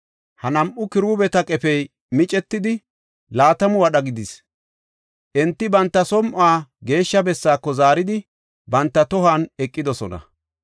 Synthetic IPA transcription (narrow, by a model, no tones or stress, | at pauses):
hɐnɐmʔʊkɪɾuːbɛt̪ɐkʼɛpɛj | mɪt͡ʃʼɛt̪ːɪd̪ɪ | laːt̪ɐmʊwɐɗɐɡɪd̪ɪs | ʔɛnt̪ːɪbɐnt̪ːɐsɔmʔaːɡe̞ːʃːɐbɛsːaːkːɔzaːɾɪd̪ɪ | bɐnt̪ːɐt̪ɔɦaːnɛkʼːɪd̪ɔsɔnɐ̰